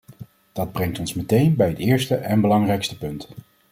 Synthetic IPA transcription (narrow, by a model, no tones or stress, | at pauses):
d̥ɑd̚brɛŋtɔnsmətejnbɛjɦətɪːɹstəʔɛnbəlɑŋrɛjkstəpɵnt